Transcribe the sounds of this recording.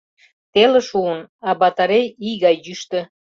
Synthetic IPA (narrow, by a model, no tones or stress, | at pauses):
t̪elə̆ʃuənɑbɑt̪ɑɾejiɣɑjːyʃt̪ə̆